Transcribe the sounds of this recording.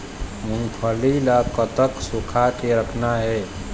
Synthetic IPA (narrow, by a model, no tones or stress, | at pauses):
munpʰəlilakət̪əksukʰakeɾəkʰnaɦɛ